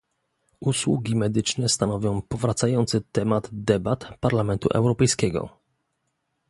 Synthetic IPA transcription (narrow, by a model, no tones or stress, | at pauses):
ʔuswṵɡʲimɛd̪ɘt͡ʂnɛst̪anɔvʲjɔ̃w̃pɔvɾat̪sajɔnt̪sɘt̪ɛmad̪d̪ɛbat̪paɾlamɛnt̪ṵʔɛ̰wɾɔpɛjskʲɛɡɔ̰